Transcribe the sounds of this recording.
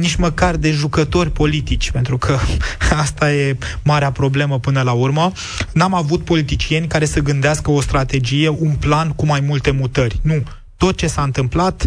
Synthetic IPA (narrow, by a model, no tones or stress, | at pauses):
nit͡ʃməkard̪e̞ʒukət̪o̞rʲpo̞lit̪it͡ʃʲpe̞nt̪ɾukʰəast̪aje̞maɾeapɾo̞bleməpɨnəlaurmə | namavut̪̚po̞lit̪it͡ʃie̞nʲkaɾe̞səɡɨnd̪easkəost̪ɾat̪e̞d͡ʒije̞ʔunplankumajmult̪e̞mut̪ərʲnu | t̪o̞t̪̚t͡ʃe̞saɨnt̪ɨmplat̪